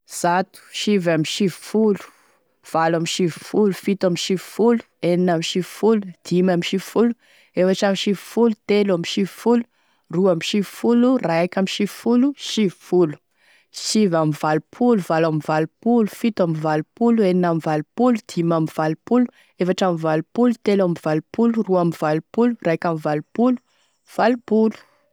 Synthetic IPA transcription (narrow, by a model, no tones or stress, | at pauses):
z̥at̪u̥ʃivamiʃivi̥fulu̥ | v̥alamiʃivi̥fulufit̪amiʃivi̥fulu̥ | eninamiʃivifulud̪̥imamiʃivifulu | efaʈ͡ʂamiʃivi̥fulut̪eluamiʃivi̥fulu̥ | ruamiʃivfuluraakʲamiʃivi̥fuluʃivi̥fulu̥ | sivamivalupʰuluvalamivalupulu̥fit̪amivalupulueninamivalupulud̪̥imamivalupulu̥ | efaʈ͡ʂamivalupulut̪elamivalupuluruamivalupulurajkʲamivalupulu̥ | v̥alupulu̥